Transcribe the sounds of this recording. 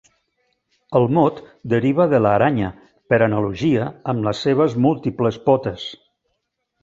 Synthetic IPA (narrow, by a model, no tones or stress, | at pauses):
əlˠmot̪d̪əɾiβ̞əðələːɾaɲə | pəɾənəluʒiəəmləsːeβ̞əzmulˠt̪ipləspɔt̪əs